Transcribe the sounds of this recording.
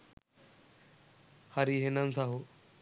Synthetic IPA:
haɾiɦenansaɦo

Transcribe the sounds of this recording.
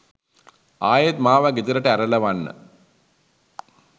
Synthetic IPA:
aːjet̪maːʋaɡit̪əɾəʈəæɾələʋanːə̰

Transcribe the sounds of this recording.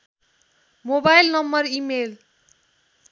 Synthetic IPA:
mobajlnʌmbʌrimel

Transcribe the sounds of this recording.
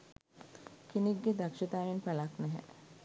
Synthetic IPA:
kineɡːed̪akʃɐt̪aːʋinpalaknɛɦɛ̰

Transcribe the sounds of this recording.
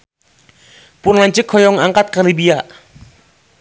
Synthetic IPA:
pʊnlaɲt͡ʃɪkʰɔjɔŋaŋkat̪̚kalibia

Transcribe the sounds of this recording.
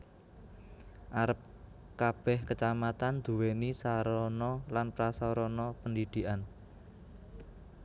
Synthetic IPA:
ʔaɾəp̚ | kab̥ɛhkət͡ʃamat̪and̪̥uwenisaɾɔnɔlanpɾasɔɾɔnɔpəndid̪̥i̤ʔan

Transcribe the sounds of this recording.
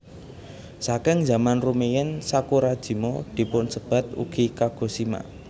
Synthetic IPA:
sakɪŋza̤manrumejɛnsakuɾad̥ʒ̥i̤mod̪̥i̤pʊnsəb̥a̤t̪̚ṵɡ̥i̤kaɡ̥o̤sima̰

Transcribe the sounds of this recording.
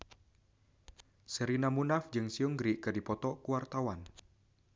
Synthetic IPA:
səɾinamunafd͡ʒɨŋsiuŋɡɾikɨrdipɔt̪ɔkuwart̪awan

